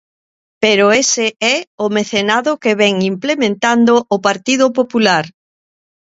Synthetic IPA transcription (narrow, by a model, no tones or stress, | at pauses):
peɾoesɪɛʊmeθenaðʊkeβɛŋimplemẽnt̪and̪oʔopaɾt̪iðʊpopulaɾ